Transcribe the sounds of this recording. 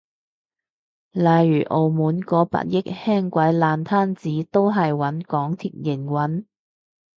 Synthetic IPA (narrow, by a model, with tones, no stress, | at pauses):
lɐ˨jːyː˨˩ʔo˨wmuː˨˥nkɔː˨˥pa̰ː˧t̚jɪ˥k̚hɛː˥ŋkʷɐ˨˥jlaː˨nt̪ʰaː˥nt͡siː˨˥t̪o˥wɦɐ˨jwɐ˨˥nkɔː˨˥ŋt̪ʰiː˨˩t̚jɪ˨˩ŋwɐ˨˥n